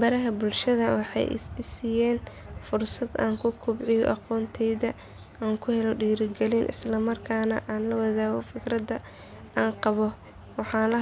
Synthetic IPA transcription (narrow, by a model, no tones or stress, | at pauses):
bɐɾɐɦɐbʊlʃɐðɐwɑħɑ̰jɪsiːjɛːnfʊrsɐd̪a̰ːŋkʰʊkʰʊbʕɪjɔ̰ʔɑqɔːnt̪ʰɛjðɐ | aːŋkʰʊhɛlɔɖiːɾɪɡɛlinʔɪ̰slɐmɐrkʰaːnɐ̰ʔaːnlɐwɑðaːɣɔfɪkɾɐd̪ɐ | aːnqɑβɔ | wɑħɑːnlɐ